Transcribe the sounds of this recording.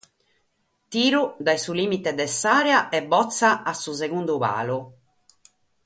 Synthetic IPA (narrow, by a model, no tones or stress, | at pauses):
t̪iːɾud̪ajsulimit̪ed̪ɛsːaːɾɛaʔɛbːɔt̪sːaʔːsːuseɣund̪uβa̰ːlu